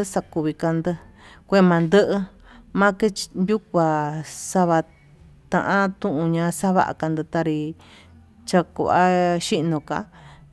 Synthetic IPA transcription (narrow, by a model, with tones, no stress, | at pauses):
ɨ˦sa˧ku˧βi˧ka˧nd̪ɨ˧kʷe˦˧mã˨˧nd̪ɨ˦ʔɨ˧ | mã˦ke˦nju˦k̚ʷa˨sa˦βa˧ | t̪ã̰˧ʔã˦t̪ũ˦ʔũ˧ɲã˧sa˦βa̰˦ʔa̰˧˨ka˧nd̪ɨ˧t̪a˧ɾi˧ | t͡ʃa˧kṵ˨ʔa̰˦ʃi˦ʔnõ˧˨ka̰˧